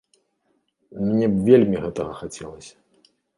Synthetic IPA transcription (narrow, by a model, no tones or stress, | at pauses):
mnʲɛbvʲelʲmʲiɣɛt̪ɐɣɐxat͡sʲɛlˠɐsʲɐ̥